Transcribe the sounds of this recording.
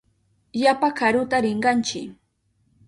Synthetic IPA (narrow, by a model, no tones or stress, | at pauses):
japakʰaɾʊt̪aɾɪɴɢɑnt͡ʃɪ